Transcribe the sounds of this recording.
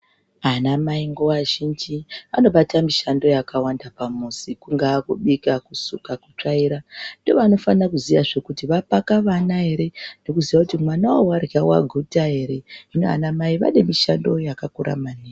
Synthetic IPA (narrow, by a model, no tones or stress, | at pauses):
anamaiŋɡowaʒind͡ʒiano̞ɓatamiʃando̞jakawandapamusikuŋɡaːkuɓikakusṵkakut͡ʂaiɾando̞ʋano̞fanakuziʋaʐekutiʋapakaʋanaɦe̞ɾe̞no̞kuziʋakutimwanawowarɣawa̰ɡʱutaɦe̞ɾe̞ɦinoa̰namaiʋa̰ɗemiʃando̞jakakuɾa̰mane